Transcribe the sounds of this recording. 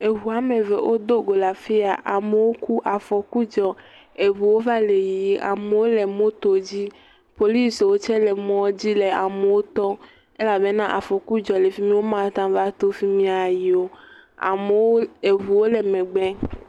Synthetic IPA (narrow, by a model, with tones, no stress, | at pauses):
e˨ɦu˨a˨me˨vḛ˨wʔo˦d̪o˦ɡo˨la˨fi˦a˨ʔa˨me˨wo˦ku˦ʔa˨fɔ˨ku˦d͡ʒɔ˨ | e˨vu˨wo˦va˦le˨ji˨i˦ʔa̰˨me˨wo˦le˨mõ˦t̪o˨d͡ʑi˦ | po˨li˦swo˦t͡ʃɛ˦lɛ˨mɔ̃˦d͡ʑi˦le˨a˨me˨wo˦t̪ɔ˦ | ɛ˦la˨be˦nã˦ʔa˨fɔ˨ku˦d͡ʒɔ˨le˨fi˦mĩ˦wo˦mã˨˦t̪ã˦va˦t̪o˦fi˦mĩ˦a˨ji˨o˦a̰˨me˨˦wo˦e˨ɦu˨wo˦le˨mẽ˨ɡ͡bɛ˦